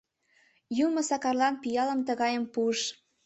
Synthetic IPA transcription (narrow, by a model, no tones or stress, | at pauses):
jumɤ̆sɑkɑrlɑnpijɑlə̆mt̪əɣɑjəmpuəʃ